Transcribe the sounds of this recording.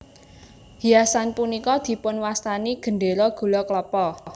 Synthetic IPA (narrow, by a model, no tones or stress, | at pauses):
hiasanpunikɔd̪̥i̤pʊnwast̪aniɡ̥ə̤ɳɖeɾɔɡ̥ṳlɔkləpɔ